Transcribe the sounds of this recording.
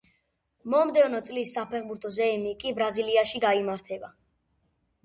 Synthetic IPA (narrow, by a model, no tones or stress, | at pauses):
mɔmd̪ɛvnɔt̪sʼlisːapʰɛχbuɾt̪ʰɔzɛmikʼibɾaziliaʃiɡaimaɾt̪ʰɛba